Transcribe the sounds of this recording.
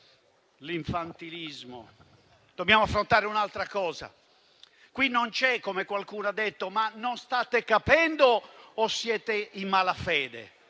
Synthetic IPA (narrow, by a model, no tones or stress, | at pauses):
liɱfant̪ilizmo̰ | d̪̥objaːmoafːɾont̪aːɾeunalt̪ɾakɔːza̰ | kwinːont͡ʃɛkːomekwalkuːnoad̪ːet̪ːomanːonst̪aːt̪ekapɛnd̪oːsːjɛːt̪eimːalafɛːd̪ḛ